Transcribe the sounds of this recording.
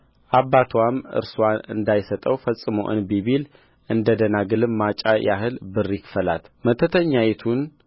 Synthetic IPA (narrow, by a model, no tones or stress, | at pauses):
ʔaβːat̪ʰwamɨ̰ɾswanɨ̰nd̪ajsət̪ʼəwfəsʼːɨməwʔɨ̰nbiβil | ʔɨnd̪əd̪ənaɡɨlɨmːat͡ʃʼajʔa̰ɦɨlbɨrːikfəla̰t̪mət̪ʰət̪ʰəɲːajɛt̪ʰun